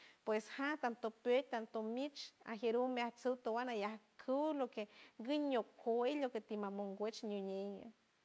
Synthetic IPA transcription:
pweshat̪ant̪opet̚ʲt̪ant̪omit͡ʃa̰ɦeɾumaht͡sɨwt̪owanajahkʰɨwlokeɡɨɲokhoiloket̪imamoŋɡʷet͡ʃɲuɲeɲa

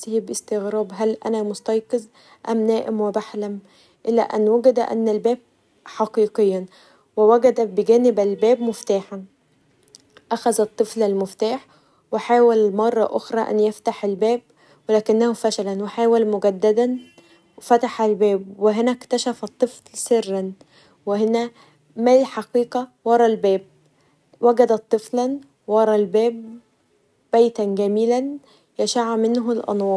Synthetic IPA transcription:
siːbʔɪst̪eɣɾˤɑːbɦælʔæ̰næmost̪ɑjqɨz | ʔæmnæːʔemwebaħlæm | ʔɪlːæ̰ʔænːwæɡæd̪æʔæ̰nːælbæːb̚ | ħɑqiːqejːæn | wewæɡæd̪æbeɡæːnɪbælbæːbmoft̪aːħan | ʔæxæzæt̪ˤːɨflælmoft̪aːħ | weħaːwælmɑrˤːɑ̰ʔoxɾˤɑʔæ̰njeft̪aħelbæːb̚ | welæːkɪnːæhufæʃælænweħaːwælmʊɡæd̪ːæd̪æn | wfæt̪aħælbæːbweɦenækt̪æʃæfɑt̪ˤːɨfllserːæn | wehenæ | mælħɑqiːqɑwɑɾˤɑlbæːb̚ | wæɡæd̪æt̪ˤːɨflæn | wɑɾˤɑlbæːb̚ː | æjt̪ænɡæmiːlæn | jæʃaʕmɪnɦlʔɑ̰nwɑːɾ

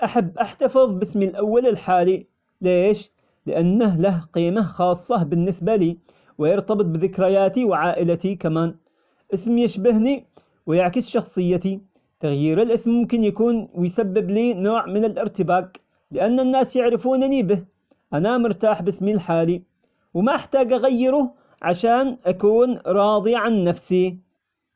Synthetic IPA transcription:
ʔaħabːʔaħt̪ɑfɨðˤbɪsmilʔawːalɪlħaːli | leːʃ | lɪ̰ʔanːaɦlahqiːmaxɑːsˤːɑbɪnːɪsbaliː | wɪjɑɾt̪ɑbɨt̪̚ˤbɪðɪkɾɪjaːt̪iwʕaːʔɪlat̪ikamaːn | ʔɪsmjɪʃbɪhni | wɪjɪʕkɪsʃɑxsˤɨjːat̪i | t̪aɣjiːɾɪlʔɪsmːʊmkɪnjakuːnwɪjsabːɪbliːnoːʕmɪnɪlʔɪɾt̪ɪbaːq | lɪʔanːanːaːsjɪʕɾɪfuːnanibɪh | ʔanamʊɾt̪aːħbɪsmilħaːli | wɪmaʔɪħt̪aːɡʔaɣajːɪɾʊ | ʕaʃaːnʔakuːnɾˤɑːd̪ˤiʕanːafsi

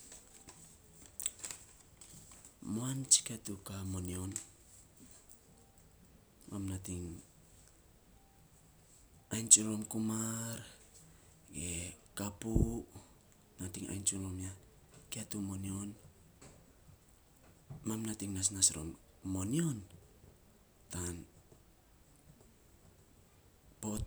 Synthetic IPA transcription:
moant͡ʃi̥katukamonion | mamnatiŋ | ajnt͡ʃuɾomkumaɾ | ɡekapu | natiŋa̰jnt͡ʃuɾomja | keatumonio̞n | mamnatiŋnas̬nasɾo̰mː | o̞nio̞n | tan | po̞t̚

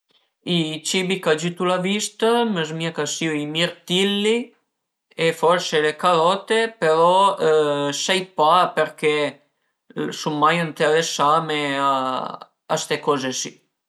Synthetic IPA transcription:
it͡ʃibikad͡ʒyt̪ulavist̪aməzmiakasiuimiɾt̪ilːi | efɔɾselekalɔt̪epeɾɔ | sɛjpapɛɾkɛ | sumːajint̪ɛɾesamea | a̰st̪ekɔzesi̥

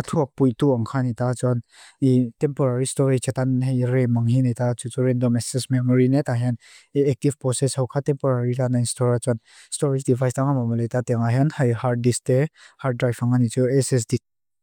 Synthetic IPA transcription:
at̪ʰuɐk̚pujt̪uaŋkʰanijt̪at͡sɔn | itɛmpɔɾaɾistɔɾit͡ʃat̪anɦɛjɾɛmaŋhinajt̪at͡sut͡suɾɛndɔmɛstismɛmɔɾinɛt̪aɦɛnɛk̚tivpɾɔsɛshɔwkʰatɛmpɔɾaɾitanainstɔɾat͡sɔn | stɔɾid͡ʒdivajstaŋamɔmɔlet̪at̪ɛŋaɦɛnhajhaɾ̚distɛhadɾajfaŋanit͡suɛsɛs̬dik̚

